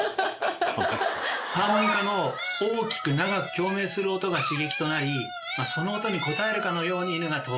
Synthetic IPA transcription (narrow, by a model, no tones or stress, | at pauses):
pamɯkano̞oːkʲi̥kɯ̟naɡakɯ̟̥kʲo̞ːme̞ːsɨɾɯ̟ot̪o̞ɡaɕiɡe̞kʲi̥t̪o̞naɾʲi | maso̞no̞ːt̪o̞ɲ̟iko̞t̪ae̞ɾɯ̟kano̞jo̞ːɲ̟inɯɡat̪o